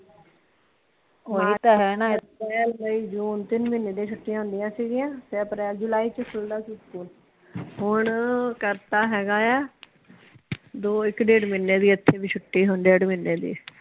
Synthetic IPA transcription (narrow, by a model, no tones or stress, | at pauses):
oːit̪aɦɛːnãːpɛːlməiːd͡ʒuːnt̪ɪnmɪnːeːd̪ẽːt͡ʃʰʊʈːɪjãɦʊ̃nd̪ɪjãːsiːɡɪjãːsɛːpɾɛːld͡ʒʊlaːiːt͡ʃəkʰʊld̪aːsiskuːl | ɦʊɳkəɾt̪aːɦɛːɡaːɛː | d̪oːɪkɖeːɽmɪnːeːd̪iːət̪ʰːeːbiːt͡ʃʰʊʈːiːɦʊnɖeːɖmɪnːeːd̪ḭː